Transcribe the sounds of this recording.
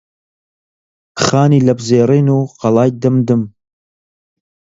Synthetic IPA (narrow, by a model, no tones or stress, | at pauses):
χɑːniːlɐbzeːɾiːnuːqɑlˠɑːjd̪ɨmd̪ɨm